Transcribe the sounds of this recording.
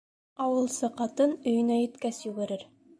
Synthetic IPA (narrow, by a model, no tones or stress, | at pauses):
ɑwɤ̆lˠsɤqɑt̪ɤnɵ̆jɘ̆næjɘ̆t̪kæsjuɡɘ̆ɾɘɾ